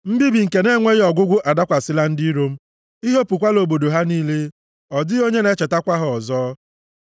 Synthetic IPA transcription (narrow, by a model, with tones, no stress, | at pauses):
m̩˦bi˦bi˨ŋ̩˨ke˨ne˦ŋʷe˦ɣɪ˦ɔ˨ɡʷʊ˦ɡʷʊ˦ʔa˨da˦kʷa˨sɪ˦la˦n̩˦di˦ɾo˦m̩˦ | i˦ɦe˦pu˨kʷa˦lo˨bo˨do˨ɦa˦niː˦le˦ | ɔ˨dɪ˦o˦ɲe˦ne˨˦t͡ʃe˨ta˦kʷa˦ɦʊ˨ɔ˨zɔː˦